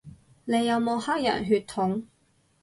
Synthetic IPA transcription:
ne˨˧jːɐ˨˧wmo˨˧haː˥k̚jɐ̰˨˩nɦyː˧t̪ʰʊ˨˥ŋ

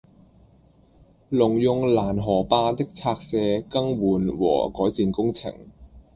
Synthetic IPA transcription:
lʊ˨˩ŋjʊ˨˧ŋlaː˨˩nɦɔː˨˩paː˧t̪ɪ˥k̚t͡sʰaː˧k̚sɛː˧kɐ˥ŋwuː˨˩nwɔ̰ː˨˩kɔː˨˥jt͡siː˧nkʊ˥ŋt͡sʰɪ̰˨˩ŋ

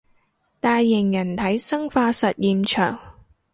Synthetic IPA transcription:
t̪aː˨jːɪ˨˩ŋjɐ˨˩nt̪ʰɐ˨˥jsɐ˥ŋfaː˧sɐ˨t̚jiː˨mt͡ʃʰœː˨˩ŋ

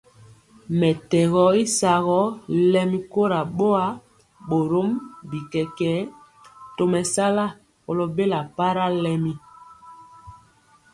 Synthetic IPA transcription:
mɛ˨tɛ˨ɣɔ˦i˦sa˨ɣɔ˦lɛ˦mi˦ko˦ɾa˨ɓo˦a˦ | ɓo˨ɾo˦mbi˨kɛ˨kɛ˨˦ | to˨mɛ˨sa˦la˦ | ko˨lo˦be˦la˨pa˦ɾa˦lɛ˦mi˦

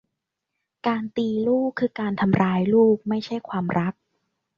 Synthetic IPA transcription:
kaː˧nt̪iː˧luː˥˩kʰːɯː˧kaː˧nt̪ʰa˧mɾaː˧jluː˥˩k̚ma˥˩jt͡ɕʰa˥˩jkʰwaː˧mɾʔa˦˥k̚

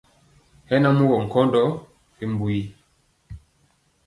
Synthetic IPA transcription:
hɛ˦na˦mu˦ɣɔ˨ŋ̩˨kɔ˦ndɔ˦ | fi˨m˨bu˨i˨

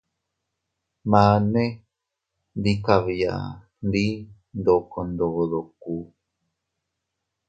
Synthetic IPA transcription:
mã˨˦nẽ˦ | nd̪i˦ka˨βi˨a̰˨ | nd̪i˦ | nd̪o˨ko˧nd̪o˨ðo˨ku˦

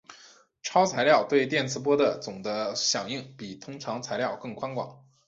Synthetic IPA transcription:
ʈ͡ʂʰɑ˥ʊt͡sʰa˧˥ɪljɑ˥˧ʊt̪we˥˧ɪt̪jɛ˥˩nt͡sʰɹ̩˧˥p̬wɔ˥d̪ə˨t͡sʊ˨˩ŋd̪ə˦ɕjɑ˨˩ŋi˥˩ŋpi˨˩t̪ʰʊ˥ŋʈ͡ʂʰɑ˧˥ŋt͡sʰa˧˥ɪljɑ˥˧ʊkɤ˥˩ŋkʰwa˥nkwa̰˨˩˦ŋ

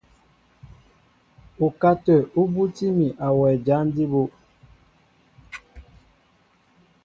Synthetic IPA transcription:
u˨ka˦tɛ˨u˦bu˦ti˦mi˨ʔa˨wɛ˨d͡ʒa˨˦n˦di˦bo˦ʔ

